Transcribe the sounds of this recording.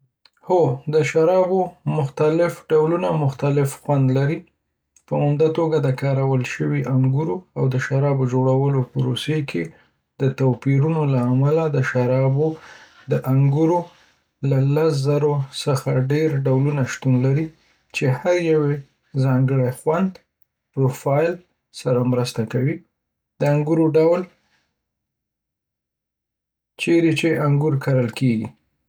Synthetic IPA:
hod̪əʃaɾɑbomʊxt̪alɪfɖawlunamʊxt̪alɪfxwand̪laɾi | pəʊmd̪at̪oɡad̪əkɑɾawəlʃəwiʔaŋɡuɾoawd̪əʃaɾɑbod͡ʒoɽawəlopəɾosekʰe | d̪̥ət̪awpiɾunolaːmalad̪əʃaɾɑbo | d̪əʔaŋɡuɾo | lalas̬zaɾosəxaɖeɾɖawlunaʃt̪unlaɾi | t͡ʃehaɾjawe | zɑŋɡəɽexwand̪ | pɾofɑjl | saɾamɾəst̪akawi | d̪̥əaŋɡuɾoɖawl | t͡ʃeɾet͡ʃeaŋɡuɾkaɾəlkeɡḭ

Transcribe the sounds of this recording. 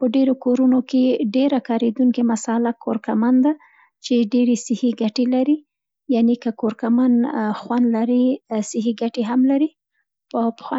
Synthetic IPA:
pəɖeɾokoɾunokeɖeɾakɑɾed̪uŋkemasɑlakʰoɾkamand̪a | t͡ʃeɖeɾesɪhiɡaʈelaɾi | janekəkoɾkamanxwand̪laɾisɪɦiɡaʈeɦamlaɾi | pəpəxwɑ

